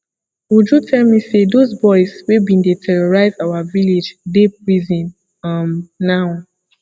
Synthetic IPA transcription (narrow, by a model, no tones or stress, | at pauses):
wud͡ʒutʰɛlmisedozbɔɪswebĩndetʰɛɹɔɹaɪzawaviled͡ʒdep̚ɹizĩn | ãmnaʊ